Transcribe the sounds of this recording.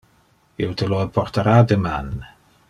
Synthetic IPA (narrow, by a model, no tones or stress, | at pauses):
ɪwdʰəloːdpʰɔrtʰaɾadəman